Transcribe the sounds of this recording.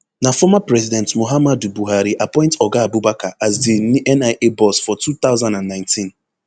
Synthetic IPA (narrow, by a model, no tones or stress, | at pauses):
nafɔmapɾɛzidɛ̃ntmoɦamadubuɦaɾiʔapɔ̃ɪ̃ntɔɡaabubakaʔazdinʔɛnaɪʔebɔsfɔtut̪aʊzãndanːãɪ̃ntĩn